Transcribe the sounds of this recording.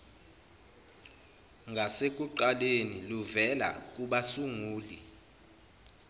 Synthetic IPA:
ŋɡʱasekʼuǃaleniluvɛla̰kʼuɓasuŋuːli

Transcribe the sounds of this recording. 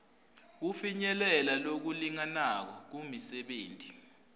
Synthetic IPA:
k̬ufiɲɛlɛlalok̬uliŋanak̬ɔk̬umisɛɓeːntʼi

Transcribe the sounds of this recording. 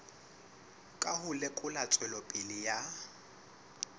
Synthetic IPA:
kʼahʊlɛkʼʊlat͡sʼwɛlɔpʼɪlɪja

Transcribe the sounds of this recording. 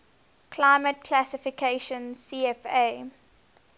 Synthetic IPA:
kʰlaɪmət̚kʰlæsɪfɪkʰeɪʃə̃nsiːɛfeː

